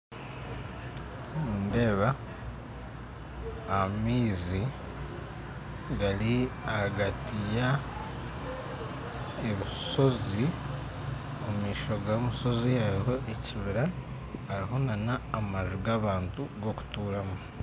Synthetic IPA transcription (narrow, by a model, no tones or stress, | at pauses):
muːnde̞ːβa | miːzi | ɡaɾiahaɡatija | eβiso̞zi | umiːʃo̞ɡamuso̞zihaɾiɦo̞ʔeciβiɾa | haɾiɦo̞nanaːmaʒuɡaβaːntuɡo̞ku̥tuːɾamu